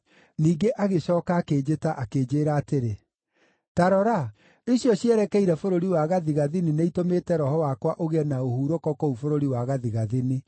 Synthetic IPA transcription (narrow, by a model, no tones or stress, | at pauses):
niːɡeʔaɣeɕɔːkaːkeːd͡ʑetaʔakeːd͡ʑeːɾaːteɾe | taɾɔɾa | iɕjɔɕiɛɾɛkɛiɾɛfoɾoɾiwaɣaðiɣaðinineitomeːtɛɾɔhɔwakwaʔoɣɛnaohuɾokɔkoufoɾoɾiwaɣaðiɣaðini